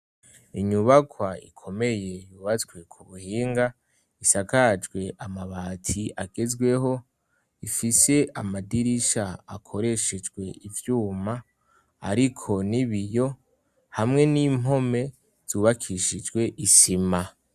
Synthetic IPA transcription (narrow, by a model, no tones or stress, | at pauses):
iɲuβakʰwaḭkʰo̞me̞je̞juːβat͡swe̞kʰuβuhiːŋɡa | isakad͡ʒɡwe̞ʔamaβaːtʰiaɡ̥e̞zɡwe̞ɦo̞ | ifise̞ʔamadiɾiʃaakʰo̞ɾe̞ʃed͡ʒɡwe̞ʔivjuːma | a̰ɾikʰo̞niβijo̞ | hamŋe̞nimɦo̞me̞ | z̥uːβakʰiʃid͡ʒɡwe̞ʔisima